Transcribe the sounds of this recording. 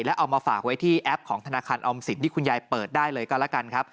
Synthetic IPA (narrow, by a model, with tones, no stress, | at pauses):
lɛ˦˥ʔa˧wmaː˧faː˨˩k̚wa˦˥jt̪ʰiː˥˩ʔɛ˦˥p̚kʰɔː˩˦ŋt̪ʰa˧naː˧kʰaː˧nʔɔː˧msi˨˩˦nt̪ʰiː˥˩kʰu˧njaː˧jpɤː˨˩t̪̚daː˥˩jlɤː˧jkɔː˥˩lɛː˦˥˩ka˧nkʰa˦˥p̚